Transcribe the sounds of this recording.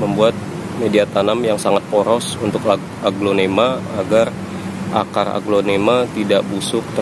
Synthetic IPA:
məmbuat̪̚ | mediat̪anamjaŋsaŋat̪̚poɾɔsunt̪ʊka | aɡlonemaːɡar | ʔa̰kara̰ɡlonemat̪idaʔbusʊk̚t̪

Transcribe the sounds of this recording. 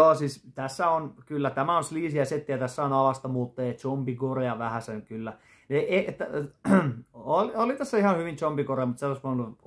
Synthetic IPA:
oːsiːst̪æsːæonkylːæt̪æmæõnsliːsiæset̪ːiæt̪æsːæonɑlɑst̪ɑmuːt̪ːeːt͡ʃompikoreɑʋæhæsenkylːæ | neeet̪ːæ | oliolit̪æsːæihɑhyʋint͡ʃompikoreɑmut̪selːost̪mɑlu

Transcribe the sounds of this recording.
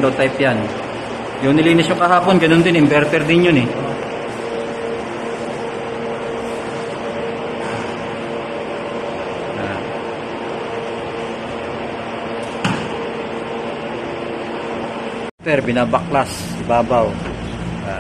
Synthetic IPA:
d̪owt̪ajpjan | jʊŋnɪliːnɪsjokɐɦaːponɡɐnond̪ɪnɪmbɛɾt̪ɛɾd̪ɪnjʊnɪ | a | a | t̪ɛɾbɪnabak̚las | ɪbaːbaw | a

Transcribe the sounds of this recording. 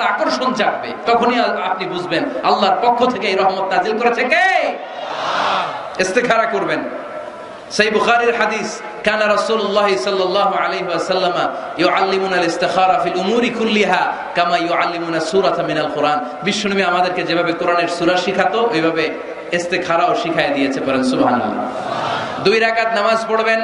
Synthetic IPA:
t̪aakoɾʃont͡ɕak̚bḛt̪ɔkʰoniaapnibud͡ʑʱbenalːaɾpɔkʰːot̪ʰekeejɾɔɦmat̪nazilkoɾet͡ɕʰeke | est̪ekʰaɾakoɾben | ʃejbuxaːɾiɾħad̪is | kaːnaɾɐsuːlolːɑːɦisɔlːɑlːɑːɦoalejɦiasɐlːamajuʕalːimunalɪst̪ɪxaːɾafilʔumuːɾikulːiɦa | kamajuʕalːimunasuːɾat̪aminalqʊɾʔaːn | biʃːonumiamad̪eɾked͡ʑebʱabekoɾaneɾsuɾaʃikʰat̪oʔejbʱabe | est̪ekʰaɾaoʃikʰajed̪ijet͡ɕʰepaɾensubɦanṵlːa̰ | d̪ujɾakat̪namazpoɽben

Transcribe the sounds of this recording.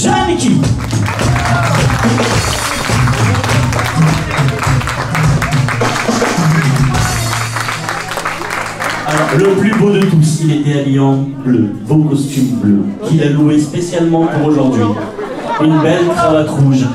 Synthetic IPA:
ʒanekʲi | alɔʁləplybod̪ət̪usilet̪ɛaljɑ̃ | ləbokɔst̪ymbløkʲilaluespesjalmɑ̃puʁoʒuʁd̪ɥi | ynbɛlfχãvat̪χuʒ

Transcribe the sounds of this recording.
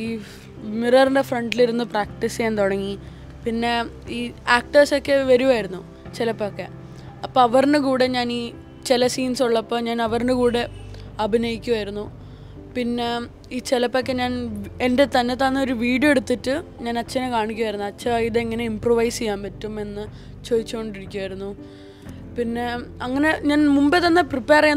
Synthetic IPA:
iː | mirɐrinɖe̞freɳɖiliɾunːupraːk̚ʈiseent̪oɽɐŋːi | pinːe̞ | iːaːk̚ʈɐrso̞kːe̞ʋɐɾuʋaːjiɾunːu | t͡ɕelɐpːokːe̞̰ | ɐpːoːɐʋɐrnɨkuːɽe̞ɲaːniː | t͡ɕelɐsiːnsuɭːɐpːoːɲaːnɐʋɐrnɨkuːɽe̞ | ɐbʱinɐjikʲːuʋaːjiɾunːu | pinːe̞ | iːt͡ɕelɐpːokːe̞ɲaːnende̞t̪ɐnːe̞t̪ːanːo̞ɾuʋiːɽijoeɽut̪ːitːɨɲaːnɐt͡ɕːɐnekaːɳikʲːuʋaːjiɾunːuɐt͡ɕːɐiðɨeŋːɐne̞improːʋɐjst͡ɕejːaːmpɐtːume̞nːɨ | t͡ɕoːðit͡ɕːukoɳɖiɾikʲːuʋaːjiɾunːu | pinːe̞ɐŋːɐne̞ɲaːnmumbeðɐnːɨpripːeːrɐ

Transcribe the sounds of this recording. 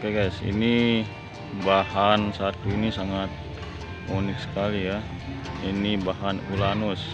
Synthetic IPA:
keɡajsḭni | bahansat̪uinisaŋat̪̚ | monɪksə̥kalija | inibaɦanulanus

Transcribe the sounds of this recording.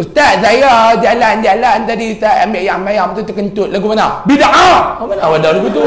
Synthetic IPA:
ust̪at̪̚sajad͡ʒaland͡ʒalant̪adiut̪aʔamɛjaŋmajamt̪ut̪akənt̪ut̪̚lak̬umanabidaʔaumanawadalakut̪u

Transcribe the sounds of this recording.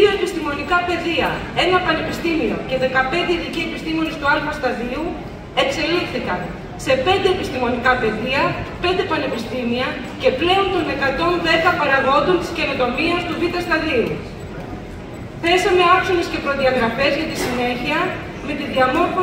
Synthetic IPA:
oepist̪imo̞nikɐpe̞ðiɐ | e̞nɐpɐne̞pist̪imio̞̰ce̞ðe̞kɐpe̞nd̪eiðicie̞pist̪imionist̪uɐlfɐst̪ɐðiu | e̞kse̞lifθikɐn | se̞pe̞nd̪e̞epist̪imo̞nikɐpe̞ðiɐpe̞nd̪e̞pɐnepist̪imiɐ | ce̞ple̞o̞nt̪o̞ne̞kɐt̪o̞nðe̞kɐpɐɾɐðo̞nd̪ont̪i̥sce̞no̞t̪o̞miɐst̪uvit̪ɐst̪ɐðiu | θe̞sɐme̞ɐkso̞ne̞sce̞pɾo̞ðiɐɣɾɐfe̞zʝɐt̪isine̞çiɐ | me̞t̪iðiɐmo̞ɾfo

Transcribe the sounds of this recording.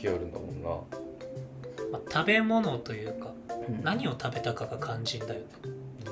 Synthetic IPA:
ioɾɯ̟̃nd̪a̰mõnːa̰ | mat̪ʰabe̞mo̞no̞t̪o̞jɯ̟ːka | naɲ̟io̞t̪ʰabe̞t̪akaɡakʰãɲd͡ʑĩnd̪ajo̞ne

